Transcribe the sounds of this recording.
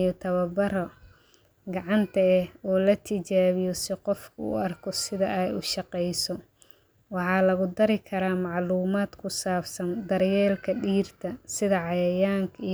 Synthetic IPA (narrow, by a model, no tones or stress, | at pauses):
jɔt̪ʰɐβɐbɐɾɔ | ɡɑʕɑnt̪ʰɐɛhɔːlɐt̪ʰɪt͡ʃaːβɪjɔsɪqɔfkʰʊṵɐrkʰɔsɪðɐʔɛjʊʃɑqɛjsɔ | wɑħɑːlɐɣʊd̪ɐɾɪkʰɐɾaːmɑʕluːmaːd̪kʰʊsaːfsɐnd̪ɐɾjɛːlkʰɐɖiːrt̪ʰɐsɪðɐʕɑjɐjaːŋkʰɐ